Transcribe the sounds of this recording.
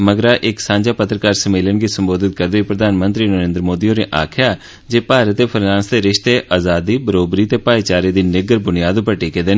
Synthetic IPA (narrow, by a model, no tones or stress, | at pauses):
məɡɾaːʔɪksãːɲd͡ʒaːpət̪ɾəkaːɾsəmeːlənɡiːsəmboːd̪ɪt̪̚kəɾd̪iːpɾəd̪ʱaːnmənt̪ɾiːnəɾẽːnd̪ɾəmoːd̪iːõneːʔa̰ːkʰɪjaː | d͡ʒeːpaːɾət̪eːpʰəɾãːnsd̪eːɾɪʃt̪eːʔaːzaːd̪iːbəɾoːbɾiːt̪eːpaːit͡ʃaːɾeːd̪iːnɪɡəɾbʊnijaːd̪ʊpəɾʈiːkeːd̪eːn